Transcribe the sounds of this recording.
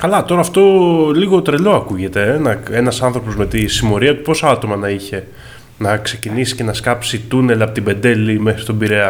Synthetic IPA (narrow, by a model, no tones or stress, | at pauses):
kɐlɐt̪o̞ɾɐːft̪o̞liɣo̞t̪ɾe̞lo̞ɐkuʝe̞t̪e̞nɐenɐsɐnθɾo̞po̞zme̞t̪isimo̞ɾiɐt̪u̥po̞soɐt̪o̞mɐnɐiçe̞ | nɐkse̞cinisi̥ce̞nɐskɐpsit̪une̞lɐpo̞t̪ibe̞nd̪e̞limexi̥st̪obiɾe̞ɐ